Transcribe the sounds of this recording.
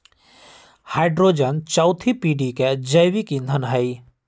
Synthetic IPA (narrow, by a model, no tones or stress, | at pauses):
haːɪɖɾod͡ʒənt͡ʃaʊt̪ʰipiːɖiked͡ʒəjʋikĩnd̪ʱənɦəi